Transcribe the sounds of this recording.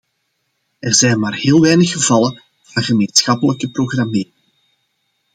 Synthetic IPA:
ɛrzɛjnmaːrheːlˠʋɛjnəxəvɑlən | v̥ɑnɣəmeːnsxɑpələkəproɣrameːrɪŋ

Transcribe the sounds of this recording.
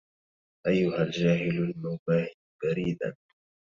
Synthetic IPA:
ʔajːʊhald͡ʒaːɦɪlalmawbaːhɪd̪baɾiːd̪a̰n

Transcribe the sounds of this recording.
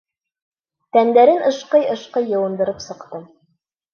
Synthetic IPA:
t̪ænd̪æɾɘnʔɤ̆ʃqɤjɤ̆ʃqɤjːɤ̆wɤ̆nd̪ɤ̆ɾɤpsɤ̆qt̪ɤm

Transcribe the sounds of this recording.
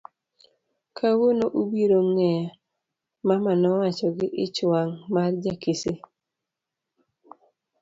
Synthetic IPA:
kʰawonoʔubiɾoŋɛa | mamanɔwat͡ʃɔɡɪʔɪt͡ʃwaŋmard͡ʒakisi

